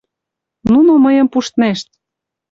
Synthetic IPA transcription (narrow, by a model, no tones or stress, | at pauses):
nunoməjɤ̆mpuʃt̪næʃt̪̚